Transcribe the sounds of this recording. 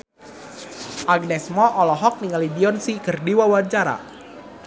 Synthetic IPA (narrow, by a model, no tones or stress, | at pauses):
ʔaɡ̚nɛsmɔʔɔlɔɦɔk̚niŋalidiɔnsikɨrdiwawant͡ʃaɾa̰